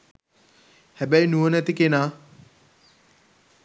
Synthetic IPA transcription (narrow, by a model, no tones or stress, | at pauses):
hæbæjnuənæt̪ikenaː